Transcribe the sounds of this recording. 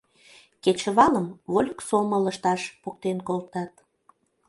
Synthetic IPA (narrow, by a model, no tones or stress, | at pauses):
ket͡ɕəβɑləmβolʲksomələʃt̪ɑʃpukt̪enkolt̪ɑt̪